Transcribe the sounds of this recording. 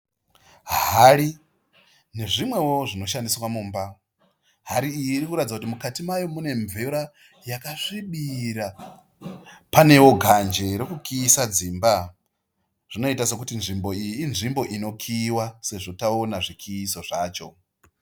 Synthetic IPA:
ɦaɾi | ne̞ʐimwe̞wo̞ʐino̞ʃandiswamuːmba | ɦaɾiijiːrikuɾatid͡zakutimukatimajo̞mune̞ɱveɾa | jakaʂiɓiɾa | pane̞wo̞ɡʱand͡ʒe̞ɾekukʰiːsad͡ziːmba | ʐ̥ino̞itase̞kutinʐimbo̞ijiːnʐimbo̞ʔino̞kʰiːwase̞ʐo̞taonaʐikʰiːso̞ʐaːt͡ʃo̞

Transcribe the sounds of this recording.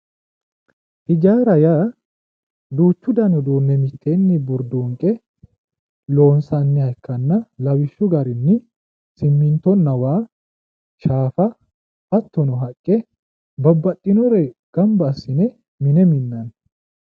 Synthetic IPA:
ʔɪd͡ʒaːɾɐja | d̪uːt͡ʃːʊd̪ɐnɔd̪uːnːɛmɪt̪ʰːenːɪbʊɾd̪uːŋkʼɛ | lo̞ːnsɐnːɪhɐjkʰːɐnːɐlɐwɪʃːʊɡɐɾɪnːɪ | sɪmːɪnt̪ɔnːɐwaː | ʃaːfɐ | ɐt̪ːɔnɔɦɐkʼːɛ | bɐbːɐt̪ʼːɪnɔɾɛɡ̥ɐmbɐːsːɪnɛ | mɪnɛmɪnːɐn

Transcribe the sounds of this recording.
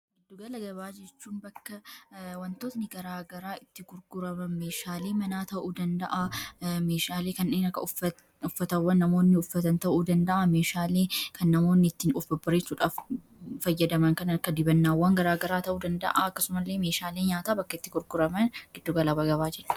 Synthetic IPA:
ɡɪd̪ːʊɡɐlɐɡɐβaːd͡ʒɛt͡ʃːuːnbɐkːɐwɐnt̪oːt̪nɪɡɐɾaːɡɐɾaːɪt̪ːɪɡʊɾɡʊɾɐmɐnmeːʃaːleːmɐnaːt̪ɐʔuːd̪ɐnd̪ɐʔameːʃaːleːkɐneːnɐkːɐ̰ʊɐ | ʊfːɐt̪ɐwːɐnːɐmo̞ːnːɪʊfːɐt̪ɐnt̪ɐʔuːd̪ɐnd̪ɐʔame̞ːʃaːleːkʰɐnːɐmo̞ːnːɪɪt̪ːiːnʊfɐbɐɾesuːᶑaːf | fɐjːɐd̪ɐmɐŋkɐnɐɐkːɐd̪ɪbɐnːaːwːaŋɡɐɾaːɡɐɾaːt̪ɐʔuːd̪ɐnd̪ɐ̰ʔaɐkːɐsʊmɐlːeːme̞ːʃaːleːɲaːt̪aːbɐkːɐɪt̪ːɪɡʊɾɡʊɾɐmɐnɡ̥ɪd̪ːʊɡɐlɐbɐɡɐβaːd͡ʒɛᶑ̥

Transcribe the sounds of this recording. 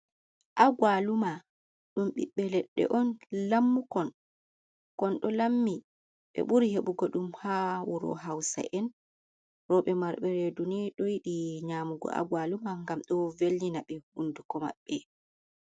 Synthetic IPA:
ʔaɡwaluma | ɗumɓiɓːɛlɛɗːɛ̰ʔɔnlamːukɔn | kɔnɗɔlamːi | ɓɛ̰ɓuɾiheɓuɡɔɗumhawɔɾɔ̰ɦawsa̰ʔɛn | ɾɔɓɛmaɾɓɛɾedunɛɗɔjiɗiɲaːmuɡɔ̰ʔa̰ɡwalumaŋɡamɗɔvelːinaɓɛhundukɔma̰ɓːɛ

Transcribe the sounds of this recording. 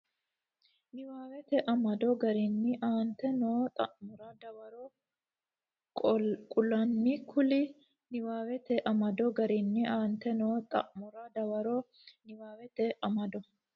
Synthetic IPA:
nɪwaːwɛt̪ɛʔɐmɐd̪ɔɡɐɾɪnːɪʔaːnt̪ɛnoːt̪ʼɐ̰ʔmʊɾɐd̪ɐwɐɾo | kʼkʼʊlɐnːikʰʊlɪ | nɪwaːwɛt̪ɛʔɐmɐd̪ɔɡɐɾɪnːɪaːnt̪ɛnoːt̪ʼɐ̰ʔmʊɾɐd̪ɐwɐɾo | nɪwaːwɛt̪ɛʔɐmɐd̪ɔ

